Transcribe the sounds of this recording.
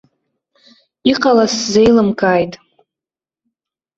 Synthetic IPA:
iqʼalasze̞jlɨmkʼaːjtʼ

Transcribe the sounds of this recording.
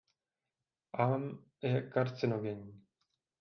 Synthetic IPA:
ʔam | jɛkaɾt̪t͡sɪnoɡɛɲi

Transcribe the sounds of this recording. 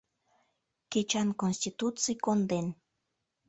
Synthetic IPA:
ket͡ʃɑnkonsʲt̪it̪ut̪t͡sɨjkond̪en

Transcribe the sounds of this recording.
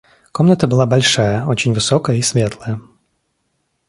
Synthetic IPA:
kɔmnət̪əbɨlˠabalʲʂajɐɔt͡ɕɪnʲvɨsɔkəjəisʲvʲɛt̪lˠəjɐ

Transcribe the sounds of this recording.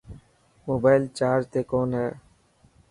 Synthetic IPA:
moːbaːɪlt͡ʃaːɾt̪eːkoːnɦɛː

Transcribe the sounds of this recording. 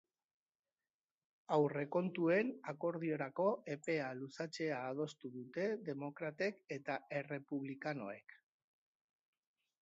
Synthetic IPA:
awre̞ko̞nt̪ue̞nako̞ɾð̞io̞ɾako̞e̞pe̞alusat͡se̞aːð̞o̞st̪uðut̪e̞ðe̞mo̞kɾat̪e̞ke̞t̪ae̞re̞puβ̞likano̞e̞̰k

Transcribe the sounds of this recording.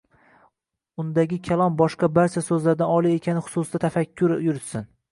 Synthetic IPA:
ʊnd̪aɡʲɪkʲʰalˠɒmbɒʃqɑbaɾt͡ʃʰasɵzlaɾd̪anɒlˠie̞kʲʰanɪχʊ̥sʊsd̪at̪ʰafakʲʰːʊɾjʊɾɪt̪sɪn

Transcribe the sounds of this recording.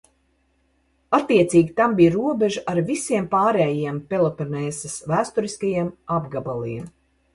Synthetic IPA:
at̪ːiɛt̪siːɡʲit̪ambijɾuɔbʲeʒuʔaɾvisiɛmpaːɾɛːjiɛmpelˠɔpɛɾnɛːsɐsvæːst̪uɾiskajiɛmabɡabalˠḭɛm

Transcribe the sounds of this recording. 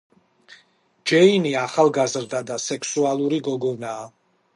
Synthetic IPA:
d͡ʒɛiniaχalˠɡazɾd̪ad̪asɛkʰsualˠuɾiɡɔɡɔnaː

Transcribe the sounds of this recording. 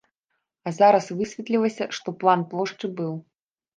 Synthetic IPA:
ɐzaɾɐsvɨsʲvʲɛt̪lʲilˠɐsʲɐʂt̪ɔplˠanplˠɔʂt͡ʂɨbɨw

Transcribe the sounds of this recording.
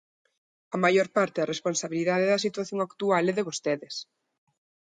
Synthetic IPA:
ɐmajoɾpaɾt̪eðɐresponsaβiliðaðeðɐsit̪waθjoŋakt̪ualɛðeβost̪eðes

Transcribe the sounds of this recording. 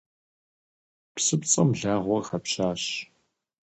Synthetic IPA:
psɨpt͡sʼɐmɮaːʁʷɔxɐpɕaːɕ

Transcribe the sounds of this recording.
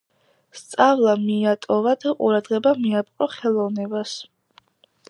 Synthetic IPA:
st̪sʼavlˠamiat̪ʼɔvad̪aqʼṵɾad̪ʁɛbamiapʼqʼɔχɛlˠɔvnɛbas

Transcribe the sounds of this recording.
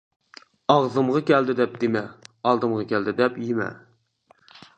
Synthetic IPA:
ɑʁzɨmʁɑkʲæld̪ɪd̪ɛp̚d̪ɪmɛɑlˠd̪ɨmʁɑkʲʰɛld̪ɪd̪ɛpjimɛ̰

